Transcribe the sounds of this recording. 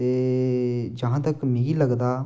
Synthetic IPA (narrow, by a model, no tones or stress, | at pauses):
eː | d͡ʒəɦãːt̪əkmẽiləɡd̪aː